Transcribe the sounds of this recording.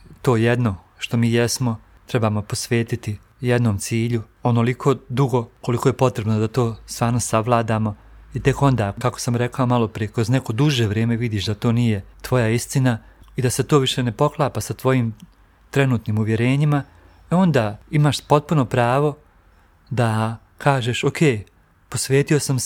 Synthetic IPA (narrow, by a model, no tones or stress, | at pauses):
t̪o̞ːjed̪no̞ | ʃt̪o̞miːjesmo̞ | t̪ɾe̞baːmo̞po̞sʋe̞ːt̪it̪i | jed̪noːmt̪siːʎu | o̞no̞likʰo̞d̪uɡo̞ko̞likoːje̞po̞t̪ɾe̞bnod̪at̪o̞ːst̪ʋaːɾno̞saʋlˠaːd̪aːmo̞it̪e̞ko̞nd̪aːkakosamɾe̞kaomalo̞pɾijekɾo̞zneko̞d̪uʒeːʋɾe̞ːme̞ʋid̪iːʃd̪at̪o̞ːnije̞t̪ʋo̞jaist̪inaid̪aset̪oːʋiʃe̞ne̞po̞klˠaːpasat̪ʋo̞jiːm | t̪ɾe̞nuːt̪niːmuʋje̞ɾe̞ːɲima | eo̞nd̪aːimaːʃpo̞t̪̚puno̞pɾaːʋo̞ | d̪a | kʰaːʒeʃokʰeː | po̞sʋe̞ːt̪io̞sam